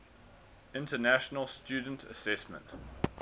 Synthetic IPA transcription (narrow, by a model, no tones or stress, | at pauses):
ɪ̃ntənæʃənəlˠstjʉːdən̩tʰə̰sɛsmə̰̃nt